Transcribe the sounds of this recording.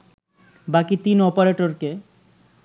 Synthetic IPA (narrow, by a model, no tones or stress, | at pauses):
bakit̪inɔpaɾeʈoɾke